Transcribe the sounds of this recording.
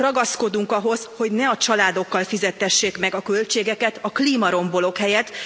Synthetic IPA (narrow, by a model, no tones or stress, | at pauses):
rɒɡɒsko̞d̪uŋkɒɦo̞zho̞ɟnɛɒt͡ʃɒlaːd̪o̞kːɒlfizɛt̪hɛʃːeːkmɛɡɒkølt͡ʃeːɡɛkɛt̪ɒkliːmɒɾo̞mbo̞lo̞khɛjɛt̪